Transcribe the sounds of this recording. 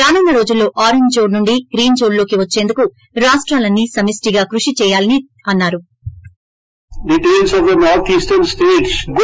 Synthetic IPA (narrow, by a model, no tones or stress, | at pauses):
ɾaːnɐnːɐɾo̞ːd͡ʒulːo̞ːʔaːɾeɲd͡ʒd͡ʒo̞ːnnuɳɖiɡɾiːnd͡ʒo̞ːnlo̞ːkiʋɐt͡ʃːe̞ːnd̪uku | ɾaːʂʈɾaːlɐnːisɐmisʈiɡaːkɾuʂit͡ʃɛːjaːlɐni | ɐnːaːɾu | ɖiʈeːlsɔʋd̪ɐnɔːɾt̪ʰiːsʈɐɾnsʈeːʈsɡ